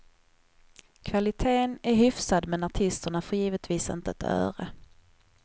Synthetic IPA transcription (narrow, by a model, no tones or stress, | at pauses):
kʰvalɪt̪ʰeːnæɾɦʏfsad̪mɛnaʈʰɪst̪əɳafœjiːvət̪viːsɪ̰nt̪əɛt̪ʰœ̰ːɾə